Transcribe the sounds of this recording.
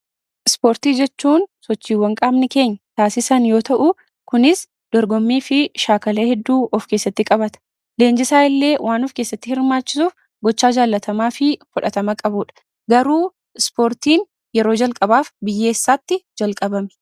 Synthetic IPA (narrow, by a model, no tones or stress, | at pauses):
ʔɪspo̞ːɾt̪iːd͡ʒɛt͡ʃːuːnsɔt͡ʃːiːwɐŋkʼaːbnɪke̞ːɲːɐt̪aːsɪsɐnjo̞ːt̪ɐʔʊ | kʊnɪs | d̪̥ɔɾɡɔmːiːfɪʃaːkɐleːhɛd̪ːuːʔɔfke̞ːsːɐt̪ːɪkʼɐbɐt̪ɐ̥ | le̞ːnd͡ʒɪsaːɪlːe̞ːwʔaːnɔfke̞ːsːɐt̪ːɪhɪɾmaːt͡ʃːɪsuːf | ɡɔt͡ʃːaːd͡ʒaːlːɐt̪ʰɐmaːfɪfʊᶑɐt̪ɐmɐkʼɐbuːᶑɐ̥ | ɡɐɾuː | ɪspoːɾt̪iːn | jɛɾo̞ːd͡ʒɐlkʼɐbaːfbɪjːe̞ːsːaːt̪ːɪd͡ʒɐlkʼɐbɐmɛ̥